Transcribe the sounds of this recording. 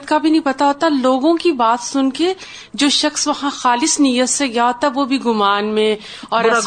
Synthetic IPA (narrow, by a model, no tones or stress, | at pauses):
t̪kabʱinɐɦĩpɐt̪aɦoːt̪aloːɡõkibaːt̪sʊnke | d͡ʒoːʃɐxsʋɐhãxaːlɪsnijət̪seɡɐjaɦoːt̪aɛʋobʱiɡʊmaːnmẽ | ɔːɾɛ